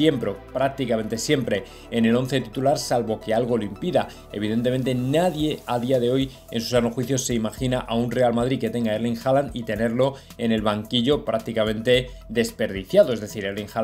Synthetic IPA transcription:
je̞mpɾo̞pɾak̚t̪ikame̞nt̪e̞sje̞mpɾe̞ː | ne̞lo̞n̟θe̞t̪it̪ulaɾsalβo̞ke̞alɣ̞o̞loimpiða̰ | e̞̰β̞iðe̞nt̪emẽ̞nt̪e̞naðje̞aðiaðe̞o̞j | ḛnsu̥sanoxwiθjo̞se̞imaxinaʔaunre̞almaðɾike̞t̪e̞ŋɡaeɾleŋxalanit̪e̞ne̞ɾlo̞ | e̞ne̞lβaŋkiʝo̞pɾak̚t̪ikamẽ̞nt̪e̞ | d̪e̞spe̞ɾð̞iθjaðo̞e̞zðe̞θiɾeɾleŋxa

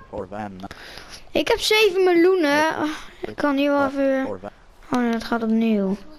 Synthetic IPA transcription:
ɪkhɛpseːvənmɪlunəɪkʰːɔniəʋɔfy | ondɔtxatɔpniw

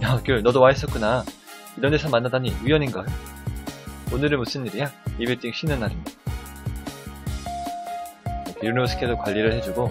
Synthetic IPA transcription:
jakjoɭnʌdowaes͈ʰʌk͈una | iɾʌndesʰʌmanːadaɲiiwʌɲinɡʌejo | onɯɾɯnmus͈ʰɯnːiɾijaibiɭt͈iŋɕʰinːɯnːaɾin | ekʰjunosʰɯ̥k͈edokwaʎːiɾɯɭhe̞d͡ʑuɡo

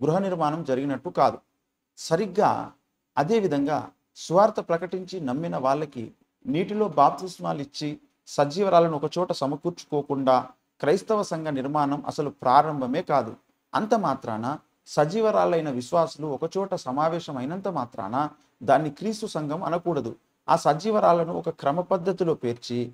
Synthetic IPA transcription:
ɡɾuɦɐniɾmaːnɐmd͡ʒɐɾiɡinɐʈːukaːd̪u | sɐɾiɡːa̰ː | ɐd̪e̞ːʋid̪ʱɐŋɡa̰ː | suʋaːɾt̪ɐpɾɐkɐʈiɲt͡ʃinɐmːinɐʋaːɭːɐkḭ | niːʈilo̞ːbaːp̚t̪ismaːlit͡ʃːi | sɐd͡ʒiːʋɐɾaːlɐnuɔkɐt͡ʃɔːʈɐsɐmɐkuːɾt͡ʃu̥koːkuɳɖaː | kɾɐjst̪ɐʋɐsɐŋɡʱɐniɾmaːnɐmɐ̰sɐlupɾaːɾɐmbʱɐme̞ːkaːd̪ṵ | ɐ̰nt̪ɐmaːt̪ɾa̰ːnɐ | sɐd͡ʒiːʋɐɾaːlɐjnɐʋiʃʋaːsuluɔkɐt͡ʃɔːʈɐsɐmaːʋɛːʃɐmɐjnɐnt̪ɐmaːt̪ɾa̰ːnɐ | d̪aːnːikɾiːst̪usɐŋɡʱɐmɐ̰nukuːɽɐd̪ṵ | a̰ːsɐd͡ʒiːʋɐɾaːlɐnuɔkɐkɾɐmɐpɐd̪ʱːɐt̪ilo̞ːpe̞ːɾt͡ʃi

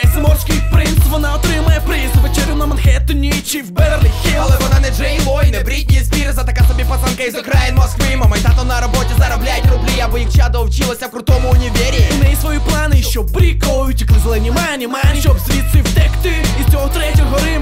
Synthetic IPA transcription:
ɛsmɔrsʲkɪjpɾɪnst̪ʋɔnaɔt̪ɾɪmɐjɛpɾɪnsʋet͡ʃɛɾʲjʊnɐmɐnxɛt̪ɔnʲit͡ʃiwbɛrlʲixʲɛɐlˠɛʋɔnanɛd͡ʒɛjʋɔjnɛbɾʲit̪̚ʲnʲijzpʲiɾzɐt̪ɐkasɔbʲipɐsankɐizɔkɾajnmɔskʋimɐmɐjt̪at̪ɔnɐɾɔbɔtʲizɐɾɔblʲajtʲrʊblʲiɐbɔjikt͡ʃad̪ɔɔwt͡ʃilˠɐsʲɐwkɾʊt̪ɔmʊʊnʲiʋʲeɾʲinɛjisʋɔjiplˠanɪʃt͡ʃɔpːɾʲikɔjʊtʲiklˠɪzɛlˠɛnʲimanʲimanʲit͡ʃɔbsʲʋʲit̪sʲiwt̪ɛkt̪ɪiɔɦɔt̪ɾɛtʲɔɦɔɾɪ

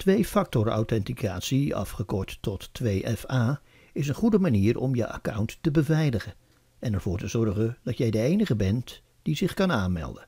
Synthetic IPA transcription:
tʋejfɑk̚tɔɹa̰wtɛntikaːtsiɑ̰fχəkɔɹtːɔtːʋejʔɛfaː | ɪs̬ənχudəmaniːɹɔ̰mjəʔa̰kʌwntːəbəvɛjləχən | ɛnɛɹv̥ʊːɹtəzɔɹχənd̥ɑtjɛjdəejnəχəbɛnt | d̥izɪχkɑnaːnmɛ̰lˠdən

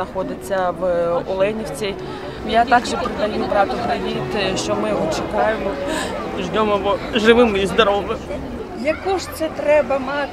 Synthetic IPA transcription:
nɐxɔd̪ɪt͡sʲːɐʋɔ̰lˠɛnʲiwt͡sʲi | jat̪ɑɡʒɛpɾɪd̪ɐjubɾɑt̪ʊpɾɪʋʲit̪ʃt͡ʃɔmɪjɔɦɔt͡ʃekɑjemɔʒnʲɔmɐbɔʒɪʋɪmɪzd̪ɐɾɔmɪ | jɐkuʃt̪sɛt̪ɾɛbɐmɑ

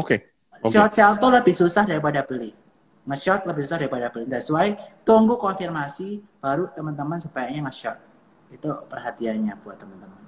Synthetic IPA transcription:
oke | ʃɔt̪̚sɛlt̪uləbɪhsusahdaɾipadapəli | ŋəʃɔt̪̚ləbɪhsusahdaɾipadapəliŋɡaəsuait̪uŋɡukɔnfirmasib̥aɾut̪əmənt̪əmənsəbajak̚ɲaŋəʃɔt̪̚ | it̪upərɦat̪ianɲapuat̪əmənt̪əmən

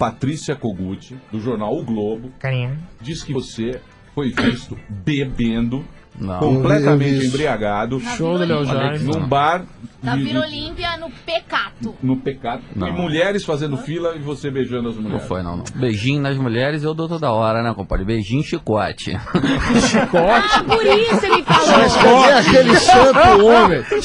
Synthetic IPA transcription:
pat̪ɾisiɐkoɡut͡ʃɪd̪ʊʒoɾnawʊɡlobʊkaɾid͡ʒiskɪose | fojvist̪ʊbebẽnd̪ʊ | nɐ̰̃kõplɛt̪ɐmẽnt͡ʃɪẽbɾiaɡad̪ʊʃowd̪ʊlewɛnũbaɾd͡ʒɪiolĩpiɐnʊpekat̪ʊnʊpekat̪ʊnɐ̰̃ɪ̃muʎɛɾɪsfazẽnd̪ʊfilɐɪvosebeʒɐ̃nd̪ʊɐzmulʎɐ̰̃ɛ̰̃fo̰jnɐ̰̃w̃nɐ̰̃w̃beʒĩɲnɐzmuʎɛɾɪzewd̪ot̪od̪ɐɔɾɐnɛ̃kõpɔ̰ɾd͡ʒɪbeʒĩɲʊʃikɔ̰t͡ʃɪ̰ʃikɔt͡ʃɪpʊɾisʊelɪfɔakelɪsɐ̃ome

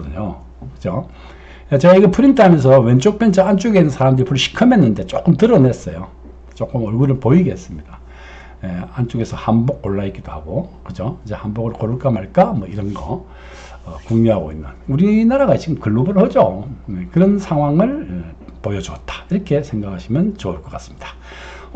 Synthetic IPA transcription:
ʌdɯɲo | kɯ̥d͡ʑo | jat͡ɕeɡaiɡʌpʰuɾintʰaɦamjʌns̬ʰʌwe̞nt͡ɕ͈ok̚p͈jʌnt͡ɕʌant͡ɕ͈oɡeinːɯnsʰaɾamdɯɾipʰuɾɭɕʰi̥kʰɯme̞nːɯnde̞t͡ɕ͈ok͈ɯmtɯɾʌne̞s͈ʌjo | t͡ɕ͈ok͈ɯmʌɭɡuɾɯɭpoiɡe̞s͈ɯmɲid̥a | jeant͡ɕ͈oɡe̞sʰʌhanbok͈̚ːoɭːait̚k͈id̥ohaɡokɯd͡ʑoid͡ʑehanboɡɯɭkoɾuɭk͈amaɭk͈amwʌiɾʌnɡʌ̰ː | koŋɲiɦaɡo̰inːɯnuɾinaɾaɡat͡ɕiɡɯmkɯɭːobɯɾɯɭhʌd͡ʑojekɯɾʌnsʰaŋɦwaŋɯɭpojʌd͡ʑuʌt̚t͈ḁiɾʌkʰe̞sʰe̞ŋɡakʰaɕʰimjʌnt͡ɕoɯɭk͈ʌk͈as͈ɯ̥mɲidḁ

